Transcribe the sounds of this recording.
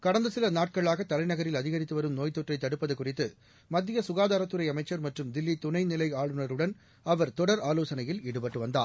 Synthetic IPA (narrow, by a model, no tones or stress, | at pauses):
kɐɽɐnd̪ɐsɪlɐnaːʈ̚kɐɭaːɣɐt̪ːɐlɐɪnɐɣɐɾɪlɐðɪɣɐɾɪt̪ːɯʋɐɾɯmnoːjt̪ːɔʈrɐɪt̪ːɐɽɯpːɐðɐkːʊrɪt̪ːɯ | mɐd̪ːɪjɐsʊɣaːðaːɾɐt̪ːɯɾɐɪɐmɐɪt͡ʃːɐɾmɐʈrɯmd̪ɪlːit̪ʊnɐɪnɪlɐɪaːɭɯnɐɾɯɽɐn | ɐʋɐɾt̪ɔɽɐɾaːloːsɐnɐjɪlɪɽɯpɐʈːɯʋɐnd̪a̰ː